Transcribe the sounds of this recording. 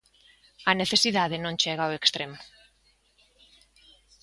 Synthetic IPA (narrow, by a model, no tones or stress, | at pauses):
ɐneθesiðaðenõnt͡ʃɛɣawekst̪ɾem